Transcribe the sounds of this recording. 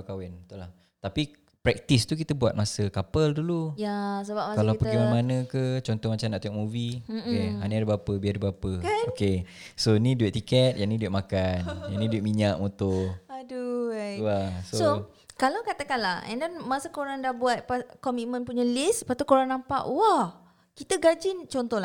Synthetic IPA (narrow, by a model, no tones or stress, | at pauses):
kawɛnət̪uʔlah | t̪api | pɾɛk̚t̪ist̪uk̬it̪əbuat̪̚masəkapəldulujasəbamakalawpəɡimanmanəkət͡ʃɔnt̪ɔhmat͡ʃamnaʔt̪uɔʔ̚muvikeɦaniadəbapəbiadəbapəoke | sonidueʔt̪ikɛt̪̚janidueʔmakanjanidueʔmiɲaʔ̚mot̪ʊaduwasoso | kalawkat̪akanlaɛ̰ndɛnmasəkoɾaŋdahbuat̪̚pakɔmit̪̚mə̃npuɲəlɪspat̪ukoɾaŋnampa̰ʔwah | kit̪əɡad͡ʒɪnt͡ʃɔnt̪ɔla